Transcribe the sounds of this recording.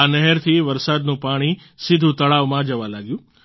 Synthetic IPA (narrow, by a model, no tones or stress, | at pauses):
anɛɦɛɾt̪ʰiʋɐɾsaːd̪nũpaːɽ̃i | sɪd̪ʱut̪ɐɭaːʋmãd͡ʒɐʋãlaːɡjũː